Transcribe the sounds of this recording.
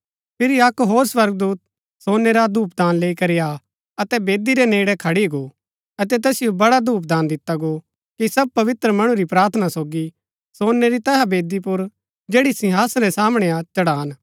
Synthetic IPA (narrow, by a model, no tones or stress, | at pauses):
pʰɪɾiɐkɦoːɾswɐɾɡ̚d̪uːt̪̚ | soːnːeɾad̪uːp̚d̪aːnleːikɐɾija | ɐt̪ɛbeːd̪iɾɛnẽːɽɛkʰɐɽiɡo | ɐt̪ɛt̪ɐsɪjobɐɽad̪uːp̬̚d̪aːnd̪ɪt̪aɡo | kisɐb̚pɐʋɪt̪ɾəmɐɽ̃ũɾipɾaːɾt̪ʰənasoːɡi | soːnːeɾit̪ɐɦabeːd̪ipʊɾ | d͡ʒeːɽisɪɦaːsɾɛsaːmɽ̃ɛãt͡ʃɐɽaːn